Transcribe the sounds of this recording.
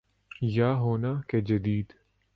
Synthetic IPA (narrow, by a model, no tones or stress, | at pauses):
jaːɦoːnaked͡ʒɐd̪iːd̪